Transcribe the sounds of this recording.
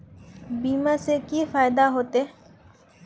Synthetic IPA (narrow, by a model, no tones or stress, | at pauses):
bimasekifajd̪aɦot̪e